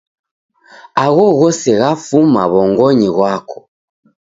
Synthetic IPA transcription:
aɣɔɣɔsɛɣafuma̰βɔŋɡɔɲiɣwakɔ̥

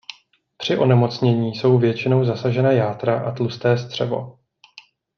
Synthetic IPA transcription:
pr̝̥ɪʔo̞nɛmo̞t͡sɲɛɲiːso̞wvjɛt͡ʃɪno̞wzasaʒɛnajaːt̪ɾaʔat̪lust̪ɛːst̪r̝̥ɛvo̞̰

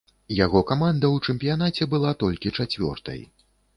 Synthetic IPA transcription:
jaɣɔkamand̪ɐwt͡ʂɛmʲpʲijanat͡sʲɛbɨlˠat̪ɔlʲkʲit͡ʂat͡sʲvʲɔ̰rt̪ɐ̰j

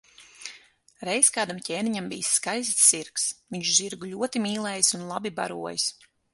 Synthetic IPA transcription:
ɾɛjskaːd̪amcʲeːniɲambḭjsːkajzisːiɾksviɲʃziɾɡulʲuɔt̪imʲiːlˠɛːjsunlˠabiba̰ɾuɔjis

